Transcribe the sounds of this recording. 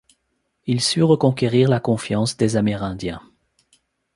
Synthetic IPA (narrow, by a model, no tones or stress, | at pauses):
ilsyʁəkɔ̃keʁiʁlakɔ̃fjɑ̃sd̪ezameʁɛ̃d̪jɛ̃